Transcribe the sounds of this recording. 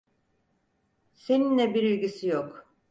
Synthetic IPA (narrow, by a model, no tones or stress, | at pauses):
se̞ninlʲɛbiɾilʲɡɟisijok